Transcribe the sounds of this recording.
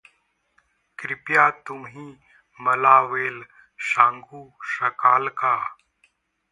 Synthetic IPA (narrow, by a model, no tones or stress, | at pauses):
kɾɪpjaːt̪ʊmɦĩ | mɐlaːʋeːl | ʃãːŋɡuːʃɐkaːlkaː